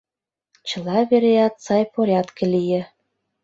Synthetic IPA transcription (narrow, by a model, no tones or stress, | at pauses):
t͡ɕɤ̆lɑβeɾejɑt̪sɑjpoɾʲɑt̪kĕlijĕ